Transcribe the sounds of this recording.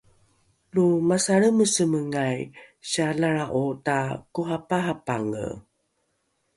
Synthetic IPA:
lumasaɭəməsəməŋajɕalaɭaʔotakuɦapaɦapaŋə̰

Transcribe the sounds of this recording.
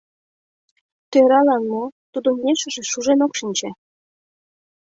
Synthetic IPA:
t̪øɾɑlɑnot̪ud̪ŏmmʲeʃə̆ʒĕʃuʒenokʃinʲt͡ɕĕ

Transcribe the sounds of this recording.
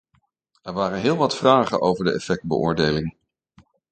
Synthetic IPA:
ɛɹʋaːrənɦɪːlˠʋɑtfraːχə̰nʔowvəɹdəʔɛ̰fɛk̚bə̰ʔʊ̰ːɹdejlɪŋ

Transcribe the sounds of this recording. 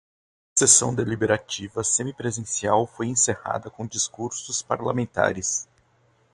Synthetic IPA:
sesɐ̰̃w̃d̪elibeɾat͡ʃivɐsẽmipɾezẽsiawfojẽseha̰d̪ɐkõd͡ʒiskuɾsʊspa̰ɾlamẽnt̪a̰ɾɪs

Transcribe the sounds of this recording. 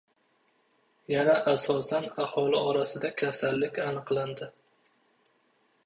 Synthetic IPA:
janaʔasɒsanahɒlɪɒɾasɪd̪akʲʰasalːɪkʲanɨqlˠand̪ɪ

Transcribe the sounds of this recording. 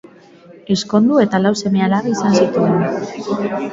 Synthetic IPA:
e̞sko̞nd̪ue̞t̪alawse̞me̞alaraisansit̪uen

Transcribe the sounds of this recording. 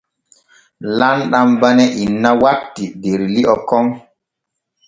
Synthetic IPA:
lanɗambanɛʔinːawatːideɾliɔkɔŋ

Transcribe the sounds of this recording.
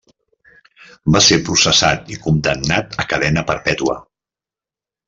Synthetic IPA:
basepɾusəsat̪ikund̪əmnat̪əkəðɛnəpəɾpɛt̪uə̰

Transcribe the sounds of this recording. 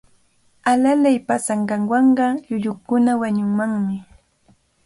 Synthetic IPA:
alalajpasaɴɢɑŋwɑɴɢɑʎʊʎʊkʊnawaɲʊŋmaŋmɪ

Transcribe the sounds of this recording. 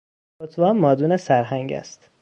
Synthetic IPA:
ot̪ʰvɒːmmɒːd̪uːnesæɾɦæŋɟæ̰st̪

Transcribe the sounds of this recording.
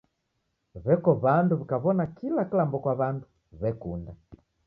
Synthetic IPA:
βɛkɔβanduβikaβɔnakilakilambɔkwaβandu | βɛkunda

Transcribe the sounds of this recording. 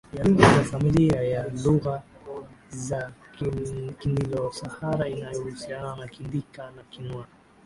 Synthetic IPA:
jaluɣazafamiliajaluɣa | za | kinilɔsahaɾainajɔhusiananakindikanakinwa

